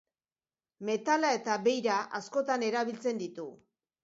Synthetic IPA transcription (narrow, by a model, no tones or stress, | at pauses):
me̞t̪alae̞t̪aβe̞jɾaʔasko̞t̪ane̞ɾaβ̞ilt͡se̞nd̪it̪u